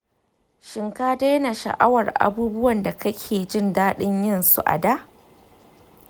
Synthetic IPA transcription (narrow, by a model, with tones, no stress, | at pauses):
ʃɪ˨ŋkaː˦da˦jna˨ʃɐ̰˨ʔa̰˦wɐ˨rʔa̰˨buː˦bʊ˦wɐ˨nda˨kɐ˦kʲʰeː˨d͡ʒɪ˦˨ndaː˦ɗɪ˦ɲjɪ˦nsṵ˦ʔa̰˨daː˦ʔ